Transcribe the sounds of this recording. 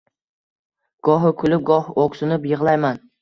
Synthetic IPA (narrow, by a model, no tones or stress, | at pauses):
ɡ̥ɒɦɪkʰʊlɪp̚ɡɒhoksʊnɪpjɨʁlˠajman